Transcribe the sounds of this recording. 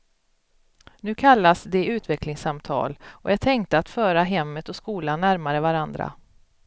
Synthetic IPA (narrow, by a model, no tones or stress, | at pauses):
nʉ̟ːkʰalːasd̪ɛʉ̟ːt̪vɛklɪŋsamt̪ʰɑ̰ːlɔjɑːɡ̚t̪ʰɛŋkt̪əat̪fœːɾaɦɛmːət̪ɔskuːlanːæɾmaɾəvaɾand̪ɾa̰